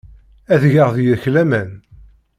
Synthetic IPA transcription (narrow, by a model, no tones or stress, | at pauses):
æðʝəʁðjæçlæmæn